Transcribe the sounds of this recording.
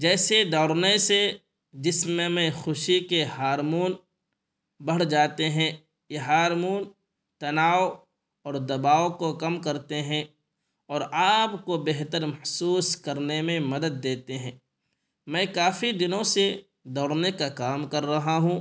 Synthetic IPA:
d͡ʒɛːsed̪ɔːɾnese | d͡ʒɪsmẽmɛ̃xʊʃikehaːɾmuːn | bɐɽ̤d͡ʒaːt̪eɦɛ̃ | jeɦaːɾmuːn | t̪ɐnaːw | ɔːɾd̪ɐbaːokokɐmkɐɾt̪eɦɛ̃ | ɔːɾaːpkobeɦt̪əɾmɐhsuːskɐɾnemẽmɐd̪əd̪̚ːeːt̪eɦɛ̃ː | mɛ̃kaːfid̪ɪnõse | d̪ɔːɾnekakaːmkɐɾːɐɦaɦũ

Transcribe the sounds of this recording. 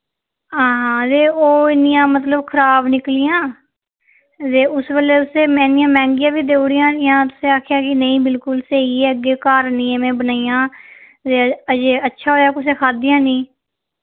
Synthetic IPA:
ɦãːɦãːt̪eːoːɪnɪjãːmət̪ləbkʰəɾaːbnɪklɪjãː | t̪eːʊsʋeːleːʊseːmɛ̃ːnɪjãːmɛ̃ːŋɡɪjãːbiːd̪eːʊɽɪjãːnjãːt̪ʊsẽːaːkʰjaːkɪnəĩːbɪlkʊlseːieːəɡeːkaːɾnĩːeːmɛ̃ːbənaːijãː | t̪eːəd͡ʒeːətːʃʰaːɦoːjaːkʊs̬eːkʰaːd̪ijãːnĩː

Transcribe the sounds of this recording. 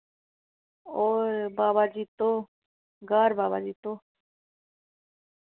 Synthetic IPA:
obabad͡ʒit̪o | ɡaɾbaːβad͡ʒit̪o

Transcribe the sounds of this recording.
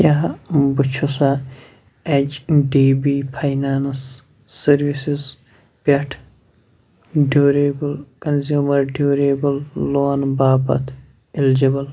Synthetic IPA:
jaːbut͡ʃʰusa | et͡ʃɖiːbiːpʰajnaːnsː | ɐɾʋisiz | pʲeʈʰ | ɖuːɾebɐlkɐnzjuːmɐɾɖuːɾeːbɐlːoːnbaːbɐ̰t̪ʰ | ild͡ʒibɐl

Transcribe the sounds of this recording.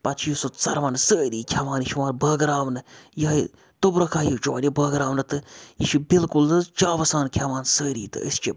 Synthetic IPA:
pɐt͡ʃʰjisot͡sɐɾʋaːnsəːɾiːkʰʲaʋaːniʃiʋaːnbəːɡɐɾaːʋnɨjɐ | t̪obɾɐkʰaːjut͡ʃoɐːnʲibəːɡɾaːʋnɨt̪ɨjiʃibɪlkulɨt͡ʃaːʋɐsaːnkʰʲaʋaːnsəːɾiːt̪ɨ̰ə̰st͡ʃi

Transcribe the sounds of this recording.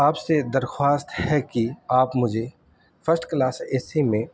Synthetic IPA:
aːpsed̪ɐɾxwaːst̪hɛkiaːpmʊd͡ʒʱe | fəsʈklaːsɛːsimẽ

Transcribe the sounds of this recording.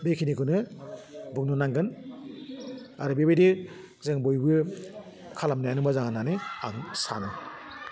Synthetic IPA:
bekʰinikʰunɯ | buk̚nunaŋɡɯn | aɾɯbebejdi | zeŋbojbɯ | kʰalamnajanɯmbazaŋananɯaŋsa̰nɯ

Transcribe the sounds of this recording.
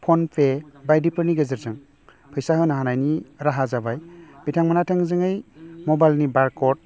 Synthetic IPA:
pʰɔnpʰebajdipʰɯɾniɡɯzɯɾzɯŋ | pʰɯjsaɦɯnaɦanajniɾaɦazabajbitʰaŋmanatʰɯŋzɯŋɯjmɔbajlnibaɾkɔt̚

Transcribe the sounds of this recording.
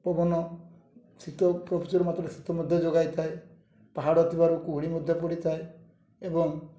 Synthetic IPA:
pɔbɔnɔ | sit̪ɔpɾɔpʰit͡ʃɔɾumat̪ɾɔesi̥t̪ɔmud̪ʱjɔd͡ʒoɡajt̪ʰae | paɦaɽɔːt̪ibaɾukuɦuɽimud̪ʱjɔpɔɽit̪ʰae | ebɔŋ

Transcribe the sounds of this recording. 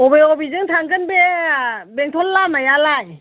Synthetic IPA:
ɔbeɔbizɯŋtʰaŋɡɯnbe | beŋtʰɔlːamajalaj

